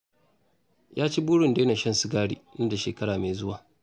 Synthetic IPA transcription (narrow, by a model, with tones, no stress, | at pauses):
jʔaː˦t͡ʃi˦buː˦ɽʊ˨nde˦na˨ʃɐ˦nsu˦ɡaː˦ɽiː˦nɐ˦da˨ʃeː˨kɐ˦ɽaː˨ma˨zʊ˦waː˨